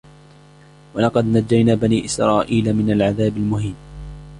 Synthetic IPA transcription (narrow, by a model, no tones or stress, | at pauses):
wɑlɑqɑd̪nad͡ʒːajnaːbaniːʔɪsɾɑːʔiːlamɪnalʕaðaːbɪlmʊɦiːm